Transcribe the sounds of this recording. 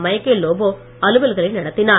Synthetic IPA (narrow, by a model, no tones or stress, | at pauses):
mɐjɐkːeloːboː | ɐlɯʋɐlɣɐɭɐɪnɐɽɐt̪ːɪnaː